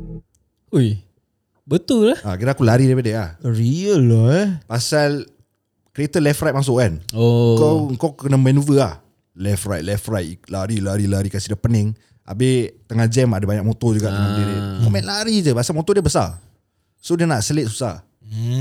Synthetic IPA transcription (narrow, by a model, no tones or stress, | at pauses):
uj | bət̪ʊllahakiɾakulaɾidipadəahɾiəlpasal | kɾiet̪əlɛfrajt̪̚mas̬ʊʔkanoəkɔəŋkɔwkənəmənuvəah | lɛfrajt̪̚lɛfrajt̪̚laɾilaɾilaɾikasidapənɪŋ | ʔa̰bɪht̪əŋand͡ʒɛmadəbaɲak̚mot̪od͡ʒuɡaʔt̪əŋanbeɾemomɛ̃nlaɾid͡ʒəpasalmot̪odiəbəsa̰ | sodiənaʔsəlɪt̪su̥sah